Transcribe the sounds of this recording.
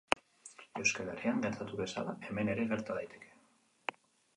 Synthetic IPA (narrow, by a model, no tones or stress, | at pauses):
e̞wskaleriaŋɡe̞ɾt̪at̪uβe̞sa̰lae̞me̞ne̞ɾe̞ɣe̞ɾt̪aðajt̪ʰe̞̥kʰe̥